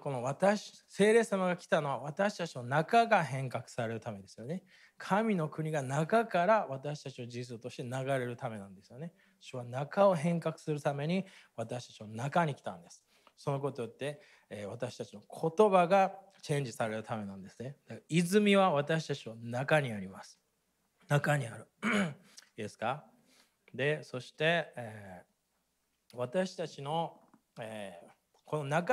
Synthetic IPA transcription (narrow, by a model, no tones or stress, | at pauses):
ko̞no̞βat̪aɕse̞ːɾe̞ːsamaɡakʲi̥t̪ano̞β̞aβ̞at̪aɕi̥t̪at͡ɕinanakaɡaɦẽ̞ŋkakɯ̟̥saɾe̞ɾɯ̟t̪ame̞d̪e̞sɨjo̞ne̞ | kʰamʲino̞kɯ̟ɲ̟iɡanakakaɾaβat̪aɕi̥t̪at͡ɕino̞d͡ʑĩsot̪o̞ɕi̥t̪e̞naɡaɾe̞ɾɯ̟t̪ame̞nãnd̪e̞sɨjo̞ne̥ | ɕiβanakao̞ɦẽ̞ŋkakɯ̟̥sɨɾɯ̟t̪ame̞ɲ̟iβat̪aɕi̥t̪ḁt͡ɕiβanakaɲ̟ikʲi̥t̪ã̰nd̪e̞sɨ̥ | so̞no̞k̬o̞t̪o̞jot̪ːe̞ | βat̪aɕi̥t̪at͡ɕino̞kʰo̞t̪o̞baɡa | t͡ɕẽ̞ɲ̟d͡ʑisaɾe̞ɾɯ̟t̪ame̞nãnd̪e̞sɨne̞d̪̥akizɨmʲiβaβat̪aɕi̥t̪at͡ɕiβanakaɲ̟iaɾʲimasɨ̥ | nakaɲ̟iaɾɯ̟ | id̪esɨ̥ka | d̪e̞so̞ɕi̥t̪e̞eː | βat̪aɕi̥t̪at͡ɕino̞ | eː | kʰo̞no̞naka